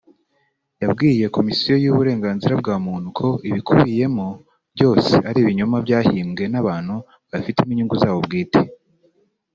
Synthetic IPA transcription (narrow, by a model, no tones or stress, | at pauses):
jabɡiːje̞ko̞misijo̞juβuɾe̞ːŋɡaːnziɾab̚ɡaːmuːn̥hukʰo̞ʔiβikʰuβije̞mo | bɟo̞ːse̞aɾiːβiɲomabjaːhiːmɡe̞naβaːn̥hu | βafitemiɲuŋɡuzaːβo̞bɡiːte